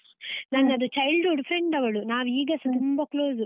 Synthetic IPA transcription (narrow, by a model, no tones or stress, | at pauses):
nɐnːɐd̪ut͡ʃɐjlɖuɖpʰɾeɳɖɐʋɐɭunaːʋiːɡɐsɐt̪umbɐkloːzu